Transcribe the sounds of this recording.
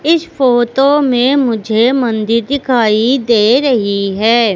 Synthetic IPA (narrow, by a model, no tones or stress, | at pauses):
ɪsfoːʈ̪omẽmʊd͡ʒʱemɐ̃nd̪ɪɾd̪ɪkʰaːid̪eːɾɐɦiɦɛː